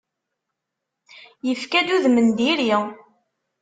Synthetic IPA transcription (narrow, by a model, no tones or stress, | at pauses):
jəfkæd̪uðmənd̪iɾi